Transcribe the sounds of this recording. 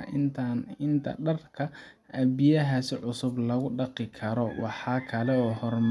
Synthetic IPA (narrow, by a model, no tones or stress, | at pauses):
ʔɪnt̪ʰanɪnt̪ʰɐ̰ɖɐrkʰɐ | ʔɐbɪjɐɦasɪʕʊsʊblɐɣʊɖɑqɪkʰɐɾɔwɑ̰ħɑːkʰɐlɛɔːhɔrm